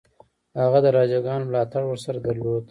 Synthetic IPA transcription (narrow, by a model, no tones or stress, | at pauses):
haɣad̪əɾɑd͡ʒaɡɑnmlɑt̪aɽwəɾsaɾad̪aɾlod̪